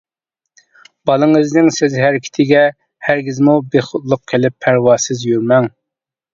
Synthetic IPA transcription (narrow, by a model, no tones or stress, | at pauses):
b̥ɑlˠɨŋɨznɪŋsɪzɦæɾɪkʲʰi̥t̪ʰɪɡʲɛ | hæɾɡʲizmubeχʊt̪lˠʊq̚kʲʰelɪpʰːæɾwɑːsɪzjyɾmɛŋ